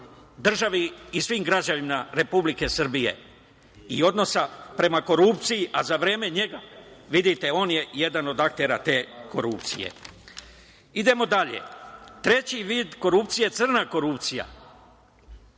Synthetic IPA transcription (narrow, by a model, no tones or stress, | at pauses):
d̪r̩ʒaʋiisʋimɡɾad͡ʑaʋimaɾe̞publike̞sr̩bije̞̰ | io̞d̪no̞sapɾe̞mako̞ɾupt̪sijiʔazaʋɾe̞ːme̞ɲe̞ɡaʋid̪it̪e̞o̞ːnje̞je̞d̪ano̞d̪ak̚t̪e̞ɾat̪e̞ːko̞ɾup̚t̪sijḛ | id̪e̞mo̞d̪aʎḛt̪ɾe̞t͡ɕiʋiːd̪ko̞ɾupt̪sije̞t̪sɨr̩nako̞ɾupt̪sija̰